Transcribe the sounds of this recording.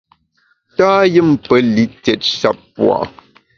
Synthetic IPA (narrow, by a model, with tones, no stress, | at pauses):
taː˦jɨ˦m˨pə˨˦li˦tɛ˨t̚ʃa̰˨pːwa̰˨